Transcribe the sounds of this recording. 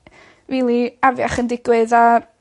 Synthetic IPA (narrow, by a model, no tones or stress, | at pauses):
vilˠiavjaχəndɪɡwɨða